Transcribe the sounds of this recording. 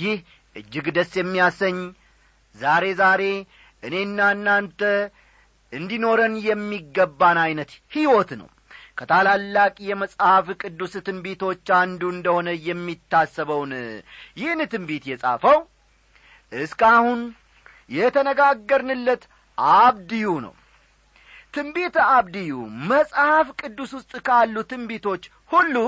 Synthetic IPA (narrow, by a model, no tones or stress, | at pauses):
jɪh | ʔɨd͡ʒːɪɡd̪əsːjɛmːijasəɲː | zaɾe̞zaɾe̞ | ʔɨne̞nːanːant̪ʰə | ʔɨnd̪ino̞ɾənjɛmːiɡːəbːanajnət̪hiwot̪nə̰w | kʰət̪ʰalalːakʼijɛməsʼhafkʼɨd̪ːusɨt̪ɨnbet̪ʰo̞t͡ʃːand̪uɨnd̪əho̞nəjɛmːit̪ːasːəβəwnjɪhnt̪ɨmbet̪jɛsʼa̰fəw | ʔɨskahun | jɛt̪ʰənəɡaɡːəɾnɨlːət̪ | ʔaβd̪ɨjunə̰w | t̪ʰɨmbet̪aβd̪ɨjuməsʼhafkʼɨd̪ːuswʊst̪ʼkʰalːut̪ɨmbet̪ʰo̞t͡ʃː | hulːu